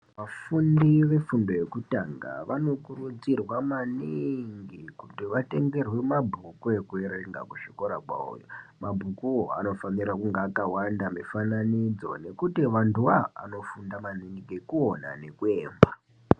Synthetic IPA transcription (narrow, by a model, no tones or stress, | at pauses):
ʋafundiʋe̞fundo̞je̞kutaŋɡa̰ʋano̞kurud͡zirwamaniŋɡikutiʋate̞ŋɡe̞rwimabʱukue̞kueɾeŋɡa̰kuʃiko̞ɾakwa̰o̰jo̰mabʱukuoa̰no̞fanirakuŋɡaːkawandamifananid͡zo̞̰ne̞kutiʋantua̰ːno̞fundamaniŋɡikekuo̞na̰ne̞kue̞ːmba